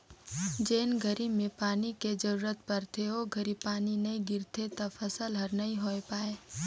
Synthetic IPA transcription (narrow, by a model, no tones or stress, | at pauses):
d͡ʒeːnɡʱəɾimẽpaːniked͡ʒəɾuːɾət̪̚pɐɾt̪ʰeɦoɡʱəɾipaːninɐĩɡɪɾt̪ʰet̪apʰəsəlɦəɾnɐɦĩɦoːepaːeː